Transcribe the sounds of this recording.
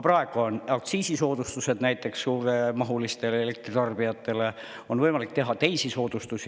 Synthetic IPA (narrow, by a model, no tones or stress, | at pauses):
prɑe̞ɡ̥uonɑk̚t̪siːsiso̞ːd̪̥ust̪use̞d̪̥næjt̪ːˑe̞ksːuːɾe̞mɑɦulist̪e̞leele̞k̚t̪rit̪ɑrb̥ijɑt̪ːe̞le̞ | o̞nvɤjmɑlik̚t̪e̞ɦɑt̪e̞jsiso̞ːd̪̥ust̪usi